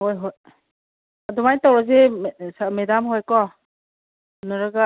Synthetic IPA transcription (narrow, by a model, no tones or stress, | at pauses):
hojɦoj | adɔmajtawɾazesamedamɦojkɔ | nɯɾaɡa